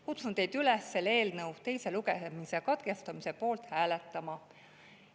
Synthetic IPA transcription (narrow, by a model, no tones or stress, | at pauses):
kut̪sunt̪e̞jd̪̥ylesːe̞lːe̞ːlnɤwt̪e̞jse̞luɡe̞misekɑd̪̥ɡ̥e̞st̪ɑmise̞po̞ːlt̪hæːle̞t̪ːˑɑmɑ